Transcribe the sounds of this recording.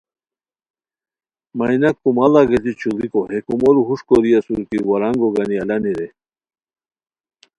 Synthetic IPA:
mɐjnɐkːumɐlaɡet̪it͡ɕʰulikoɦekumoluɦuʂkoɾijɐsuɾkiɾwɐɾaŋɡoɡɐniɐlɐniɾe

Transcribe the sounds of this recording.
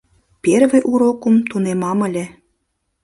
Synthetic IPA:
perβĕʔuɾokumt̪unemɑmə̆lʲĕ

